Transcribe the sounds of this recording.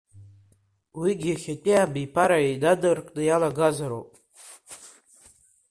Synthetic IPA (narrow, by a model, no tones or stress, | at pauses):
wiɡʲiaχʲatʲʼeabipʰaɾaidadɨrkʼnɨjalaɡazaɾo̰pʼ